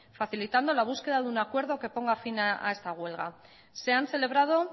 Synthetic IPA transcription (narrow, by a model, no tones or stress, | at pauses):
faθilit̪and̪o̞laβuske̞ðaðunakwe̞ɾð̞o̞ke̞po̞ŋɡafinaa̰e̞st̪aɣ̞we̞lɣa | se̞anse̞le̞β̞ɾað̞o̞